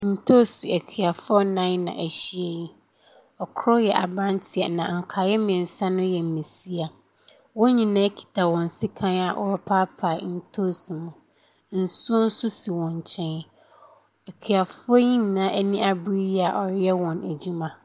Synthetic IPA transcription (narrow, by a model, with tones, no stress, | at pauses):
n̩˨tʰo˦˨si˨æ˨kʰɥa˨fɔ˦nã˦nã̰˨ʔæ˨ɕi˦e˨ji˦ | ɔ˨kʰɔ˦jɛ˨ʔa̰˨bɾã˦ntʰi˨a˨nã̰˨ŋ̩˨kʰa˨jɛ˦mɪ̃˨n̩˨sa˦nʊ̃˦jɛ˨m̩˨mĩ˨si˦a˨ | wɔ̃˦ɲĩ˨nã˦kʰi̥˨tʰa˨wɔ̃˨n̩˨sɪ˦kʰã˦na˨ʔɔ̰˦˨ɾʊ˦pʰa˦pʰa˨n̩˦tʰo˦si˨mʊ̃˨ | n̩˨su˦ɔ˦n̩˦sʊ˦si˨wɔ̃˨ɲ˨t͡ɕʰɛ̃˦n | æ˨kʰɥa˨fʊ˦ɔ˦ɲĩ˦n˨nãː˦ʔæ˦nĩ˦ʔa˨bɾi˦jɛ˦a˨ʔɔ˨jɛ˦wɔ̃˨næ˨d͡ʑu˦mã˨